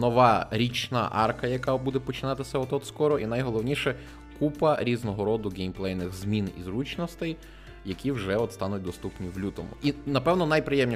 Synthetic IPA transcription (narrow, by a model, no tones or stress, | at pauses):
nɔʋɑɾʲit͡ʃnɐ̰ʔɑ̰rkɐjɐkɑbud̪ɛpɔt͡ʃɪnɑt̪ɪsʲɐɔt̪ɔt̪skɔɾɔʔinɐjɦɔlˠɔwnʲiʃɛ | kupɐɾʲiznɔɦɔɾɔd̪ʊɡejmplˠɛjnɪxzmʲinḭzɾut͡ʃnɔst̪ɪj | jɐkʲiwʒɛɔt̪st̪ɑnʊt̚ʲd̪ɔst̪upnʲiwlʲut̪ɔmʊ̰ʔinɐpɛwnɔnɐjpɾɪjɛmnʲi